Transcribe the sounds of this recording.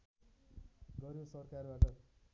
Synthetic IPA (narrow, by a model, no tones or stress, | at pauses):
ɡʌɾjosʌrkarbaʈʌ